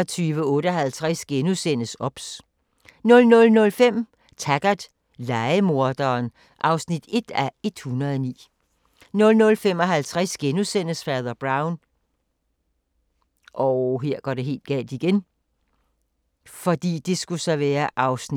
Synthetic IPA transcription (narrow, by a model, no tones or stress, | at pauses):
ɒt͡sʰyːʋəɔ̽ːɾəɒɦælt͡sʰʁasɡ̥enusen̰əsɒ̽b̥s | nɔ̽lnɔ̽lnɔ̽lfem̰ | t͡sʰæɡ̥ɐd̥ | lɑ̈ɪəmo̝ɐd̥ɐːn | ʔɑ̈ʊsnid̥e̝d̥æe̝d̥hunɐðˠɒnḭː | nɔ̽lnɔ̽lfem̰ɒ̽ɦælt͡sʰʁasɡ̥enusen̰əsfæːðˠɐb̥ʁɑ̈ʊn | ʔɒɦeɐ̰ɡ̥ɒɾ̥e̝ɦe̝̰ːld̥ɡ̥ɛ̰ːld̥iɡ̥en | fɒ̽d̥ḭːd̥e̝sɡ̥usɒʋæːɐʔɑ̈ʊsni